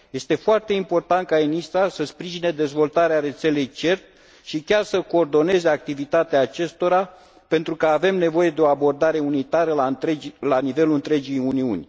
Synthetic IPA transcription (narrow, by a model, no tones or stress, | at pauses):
je̞st̪e̞foart̪e̞impo̞rt̪ant̪̚kaenist̪ɾasəspɾiʒine̞d̪e̞zvo̞lt̪aɾeaɾe̞t̪se̞le̞jt͡ʃe̞rt̪ | ʃikʲarsəko̞ːrd̪o̞ne̞ze̞ak̚t̪ivit̪at̪eaːt͡ʃe̞st̪o̞ɾa | pe̞nt̪ɾukəave̞mne̞vo̞je̞d̪e̞o̞abo̞rd̪aɾe̞unit̪aɾəlaelanive̞luɨnt̪ɾe̞d͡ʒijuniṵnʲ